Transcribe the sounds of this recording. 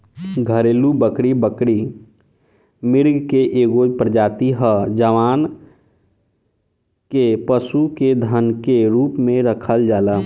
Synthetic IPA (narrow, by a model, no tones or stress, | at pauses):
ɡʱəɾeːlubəkɽibəkɽi | mɪɾɡkeʔeːɡopɾəd͡ʒaːt̪iɦəd͡ʒəʋaːn | kepəsuked̪ʱənkeɾuːpmẽɾəkʰəld͡ʒaːlə